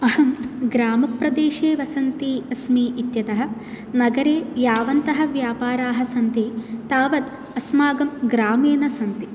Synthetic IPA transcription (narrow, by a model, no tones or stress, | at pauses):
ɐhɐmɡɾaːmɐpɾɐd̪eːʃeːʋɐsɐnt̪iɐsmiːit̪jɐt̪ɐɦɐ̆ | nɐɡɐɾeːjaːʋɐnt̪ɐɦɐ̆ʋjaːpaːɾaːɦɐ̆sɐnt̪it̪aːʋɐd̪ | ɐsmaːɡɐmɡɾaːmeːnɐsɐnt̪i